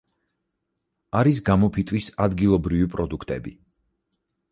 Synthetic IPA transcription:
aɾis̬ɡamɔpʰit̪ʼwisad̪ɡilˠɔbɾivipʼɾɔd̪ukʰt̪ʼɛ̰bi

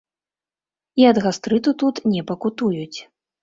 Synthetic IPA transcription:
iɐd̪ɣast̪ɾɨt̪ut̪ut̪nʲɛpɐkut̪ujut͡sʲ

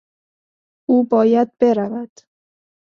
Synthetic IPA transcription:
uːbɒːjæd̪̚beɾavæd̪̥

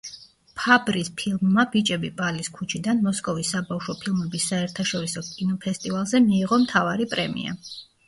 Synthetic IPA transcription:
pʰabɾispʰilˠmːabit͡ʃʼɛbipʼaliskʰut͡ʃʰid̪anmɔskʼɔvisːabafʃɔpʰilˠmɛbisːaɛɾt̪ʰaʃɔɾisɔkʼinɔpʰɛst̪ʼivalˠzɛmiːʁɔmt̪ʰavaɾipʼɾɛmḭa̰

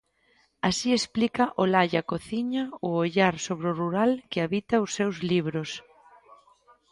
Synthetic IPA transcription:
asiesplikaʔolaʎakoθiɲaʊoʎaɾsoβɾʊruɾalkɪaβit̪aʊsːewzliβɾʊs

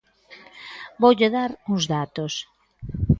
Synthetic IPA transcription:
bowʎeðaɾuŋzðat̪os

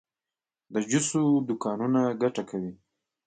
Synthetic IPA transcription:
d̪əd͡ʒʊsod̪ʊkɑnunaɡaʈakawi

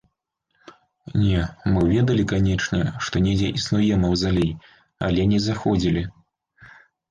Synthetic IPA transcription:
nʲɛmɨvʲɛd̪ɐlʲikanʲɛt͡ʂnʲɛʂt̪ɔnʲɛd͡zʲɛʔisnujɛmɐwzalʲij | a̰lʲɛnʲɛzaxɔd͡zʲilʲi

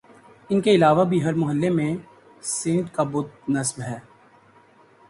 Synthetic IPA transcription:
ɪnkeɪlaːʋabʱiɦɐɾmʊɦəlːemẽ | sɪ̃ɳɖkabʊd̪̚nɐsbɦɛː

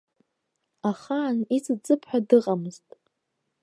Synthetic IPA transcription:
aχanit͡sʼɨt͡sʼɨpʰħʷᶣadɨqʼamɨztʼ

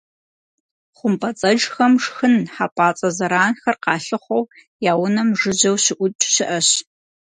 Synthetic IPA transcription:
χʷʊmpʼɐt͡sʼɐd͡ʒxɐmʂxɨnħapʼaːt͡sʼɐzɐɾaːnxɐrqɑːɬɨχʷow | jaːwʊnɐmʐɨʑɐwɕɪʔʷʊtʼɕɪʔɐɕ

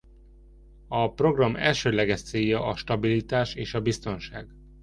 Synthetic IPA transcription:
ɒpro̞ɡrɒmɛ̰lʃøːlɛɡɛʃt̪seːjːɒʔɒʃt̪ɒbilit̪aːʃeːʃɒbist̪o̞nʃaːɡ

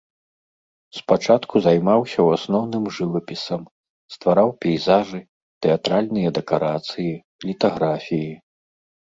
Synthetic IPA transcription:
spat͡ʂat̪kuzajmawsʲɐwasnɔwnɨmʐɨvɐpʲisɐm | st̪vaɾawpʲɛjzaʐɨ | t̪ɛat̪ɾalʲnɨjɐd̪ɛkaɾat̪sɨji | lʲit̪aɣɾafʲiji

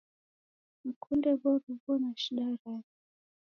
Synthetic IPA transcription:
m̩kʰundɛβɔɾuvɔnaʃiɗaɾai

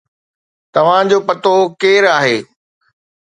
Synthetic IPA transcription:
t̪ɐʋ̤ãd͡ʑoːpɐt̪okeːɾaːɦeː

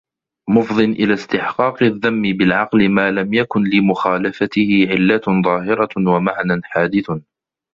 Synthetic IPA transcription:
mʊfðˤɨnʔɪlast̪ɪħqɑːqɨðːamːɪbɪlʕɑqlɪmaːlamjakʊnlɪmʊxaːlafat̪ɪhɪʕɪlːaðˤɑːɦɪɾˤɑwamaʕnanħaːd̪ɪθ

